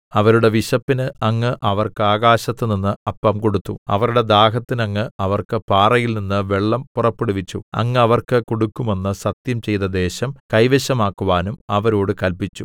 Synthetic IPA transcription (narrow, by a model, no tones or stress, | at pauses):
ɐʋɐɾuɽe̞ʋiɕɐpːinɨɐŋːɨʔɐʋɐrkɨaːɣaːɕɐt̪ːɨninːɨɐpːɐmko̞ɽut̪ːuɐ̰ʋɐɾuɽe̞d̪aːɦɐt̪ːinɐŋːɨɐʋɐrkɨpaːrɐjilninːɨʋe̞ɭːɐmpurɐpːeɽuʋit͡ɕːṵɐ̰ŋːɨɐʋɐrkɨkoɽukːume̞nːɨsɐt̪jɐmt͡ɕe̞jt̪ɐd̪e̞ːɕɐmkɐjʋeɕɐmaːkːuʋaːnumɐʋɐɾoːɽɨkɐlpit͡ɕːu